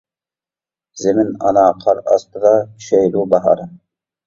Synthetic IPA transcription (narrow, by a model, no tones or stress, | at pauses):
zɪmɪnɑ̰nɑːqʰɑɾɑ̰st̪ɨd̪ɑkʲʰy̥ʃɛjd̪ubɑɦɑ̰ɾ